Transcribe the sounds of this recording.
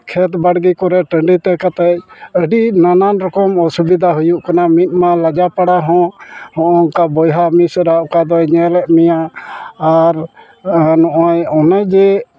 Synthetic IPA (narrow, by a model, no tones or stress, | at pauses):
kʰɛt̪baɽɡikɔɾɛʈəɳɖit̪ɛkat̪ɛc̚əɖinananɾɔkɔmɔsubid̪ʱaɦujuʔkanamit̪̚ˀmalad͡ʒapaɽaɦɔ̃hɔ̃ʔɔkabɔjɦamisɾaʔɔkad̪ɔɲɛlɛʔmɛjaaɾ | nɔʔɔ̃jɔnad͡ʒɛ